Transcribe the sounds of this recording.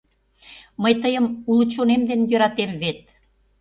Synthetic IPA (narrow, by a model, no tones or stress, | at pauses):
məjt̪əjəmulut͡ɕonemd̪enjø̆ɾɑt̪emβet̪̚